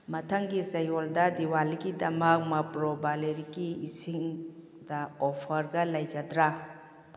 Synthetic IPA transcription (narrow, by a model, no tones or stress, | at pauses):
mɐtʰaŋɡisɐjɔldadiwalikidɐmɐk̚mɐpɾɔbaleɾikiːsiŋ | daɔpʰɐɾɡɐlɐjɡɐdɾa